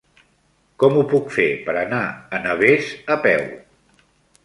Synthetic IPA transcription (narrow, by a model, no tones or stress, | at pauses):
kɔmupukfepəɾənaənəβezəpɛw